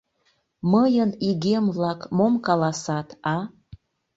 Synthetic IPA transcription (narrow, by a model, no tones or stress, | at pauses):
məjəniɣemβlɑkmomkɑlɑsɑt̪ɑ